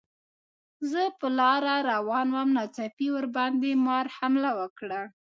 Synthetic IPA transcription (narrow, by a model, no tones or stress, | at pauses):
zəpəlɑɾaɾawɑnwamnɑt͡sapiwəɾbɑnd̪emɑɾhamlawəkɽa